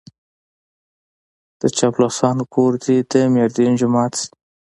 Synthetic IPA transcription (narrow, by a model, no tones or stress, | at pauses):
d̪̥ət͡ʃablosɑnkoɾd̪id̪əmeɾd̪ind͡ʒʊmɑt̪s